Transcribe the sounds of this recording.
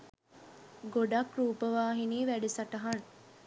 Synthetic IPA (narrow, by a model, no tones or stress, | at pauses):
ɡoɖɐkɾuːpɐʋaːɦiniːʋæɖesɐʈɐɦɐn